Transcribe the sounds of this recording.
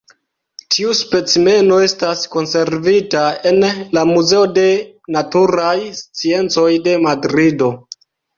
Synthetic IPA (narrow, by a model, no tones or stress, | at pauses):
tʰiuspe̞t͡sime̞no̞e̞stasko̞nse̞ɾvitae̞nlamuze̞o̞de̞natuɾajst͡sie̞nt͡so̞jde̞madɾido̞